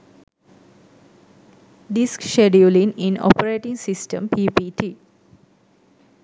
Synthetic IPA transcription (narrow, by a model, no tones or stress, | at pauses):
ɖiskʃeɖjuliŋinɔ̰pəɾeːʈiŋsisʈəmpʰiːpiːʈʰiː